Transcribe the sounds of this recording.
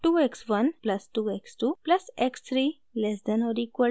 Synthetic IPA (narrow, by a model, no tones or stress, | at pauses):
ʈuːeksʋɐnplɐsʈuːeksʈuːplɐsekst̪ʰɾi | lɛsd̪ɛ̃nɔɾikə